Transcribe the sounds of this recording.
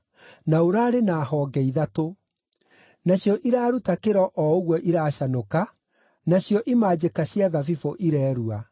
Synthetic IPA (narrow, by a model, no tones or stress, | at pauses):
naoɾaːɾenaːɦɔːɡɛiðato | naɕjɔʔiɾaːɾutakeɾɔʔɔoɣwɔʔiɾaːɕanoka | naɕjɔʔimaːd͡ʑekaɕjaðavifoʔiɾɛːɾua